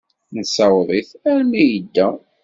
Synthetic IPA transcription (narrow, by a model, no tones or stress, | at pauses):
nsæwðˤiθæɾmijəd̪ːæ